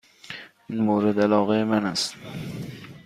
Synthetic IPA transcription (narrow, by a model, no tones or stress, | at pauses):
ɪnmowɾɪd̪alɒːʁaemanas